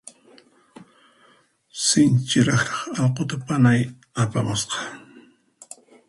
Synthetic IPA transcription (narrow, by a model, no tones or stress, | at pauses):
sɪnt͡ʃɪɾɑχɾɑχɑlqot̪apanaj | apamʊsqɑ̥